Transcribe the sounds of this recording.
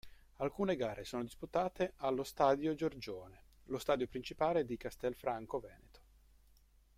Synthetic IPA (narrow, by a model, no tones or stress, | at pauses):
alkuːneɡaːɾʔesoːnod̪isput̪aːt̪eʔalːost̪aːd̪jod͡ʒord͡ʒoːne | lost̪aːd̪jopɾint͡ʃipaːled̪ikast̪ɛlfɾaŋkovɛːnet̪o̥